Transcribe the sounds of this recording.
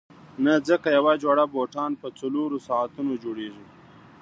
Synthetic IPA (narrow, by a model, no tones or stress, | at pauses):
nad͡zəkajawad͡ʒwaɽaboʈɑnpət͡saloɾosɑat̪unod͡ʒoɽeʐi